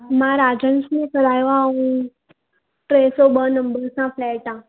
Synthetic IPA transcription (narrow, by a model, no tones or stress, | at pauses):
mãɾad͡ʑənsnekəɾajʋaũ | ʈɾesobənəmbəɡsãplɛʈã